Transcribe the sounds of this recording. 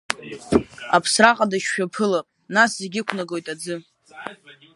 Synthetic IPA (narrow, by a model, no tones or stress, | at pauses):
apʰsraqʼadaʃːᶣapʰɨlapʼnaszeɡʲɪkʷʰnaɡo̞jtʼad͡zɨ